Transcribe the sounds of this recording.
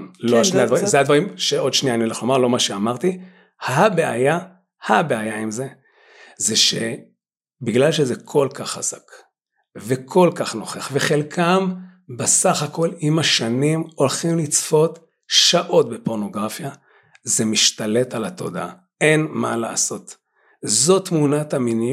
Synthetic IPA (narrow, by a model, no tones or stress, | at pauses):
loaʃnead̪vaʁizehad̪vaʁimʃeo̞d̪ʃnijanileχlo̞maʁlo̞maʃeamaʁt̪i | habea̰ja | habeajaimze | zeʃe | biɡlalʃezekʰo̞lkaχaz̥ak | vekʰo̞lkaχno̞χeχveχe̞lkʰambesaχako̞limaʃanimo̞lχimlit͡sfo̞t | ʃaʔo̞tbepo̞ʁno̞ɡʁafja | zemiʃtale̞talat̪o̞̰d̪aa̰ | e̞nma̰la̰ːso̞t̪ | zo̞t̪munat̪amini